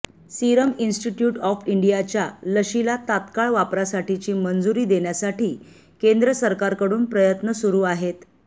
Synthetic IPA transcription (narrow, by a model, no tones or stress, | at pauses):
siɾəminsʈiʈjuːʈɔfiɳɖijat͡ɕjaləɕilat̪at̪kaɭʋapɾasaʈit͡ɕiːmənd͡zuɾiːd̪eɳjasaʈiː | kend̪ɾəsəɾkaɾkəɽuːnpɾəjət̪nəsuɾuːaɦet̪